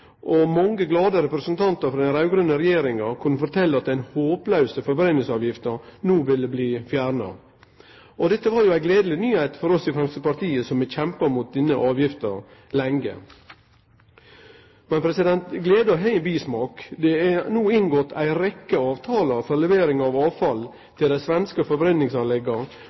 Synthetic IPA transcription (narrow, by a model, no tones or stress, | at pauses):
ʔɔmɑŋːəɡlɑːd̪əɾɛpɾɛsənt̪ʰɑnt̪əɾfɾɑd̪æɪnɾɑʉɡɾʉnːəɾɛjeːɾɪŋɑkʰʉnːəfɔɾt̪ʰɛlːəɑt̪̚d̪æɪnhoːplœʉsəfɔɾbɾɛnɪlsɑːʋjɪft̪ənuːʋɪlːəbliːfjæːɾnɑ̰ | ʔɔd̪ɛt̪ːəʋɑɾjʊæɪɡleːd̪əl̩ɪnyːhæɪt̪fɔɾɔst̪ɪfɾɛmst̪əpɑɾt̪ʰiːəsɔmʋɪçɛmpəɾmʊt̪̚d̪ɪnəʔɑːʋjɪft̪əɾ | lɛŋɡə̰ | mɛnpʰɾɛsɪd̪ɛnt̪ɡleːd̪əɦɛɪbiːsmɑːkd̪ɛænuːɪnɡɔt̪ʰæ̰ɪɾɛkːəɑːʋt̪ʰɑːləfɔɾlɛʋeːɾɪŋɑʋɑːʋfɑl | t̪ʰɪld̪æɪsʋɛnskəfɔɾbɾɛnnɪŋsɑnlɛɡɑ